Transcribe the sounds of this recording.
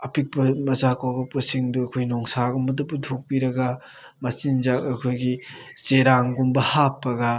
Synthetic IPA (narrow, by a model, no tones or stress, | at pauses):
ɐpʰik̚pɐmɐzakawɡɐpusiŋduɐkʰojnɔŋsaɡɔmɐdupːudʰʱok̚piɾɐɡɐmɐt͡ʃinzakɐkʰojɡi | seɾaŋɡumbɐhapːɐɡa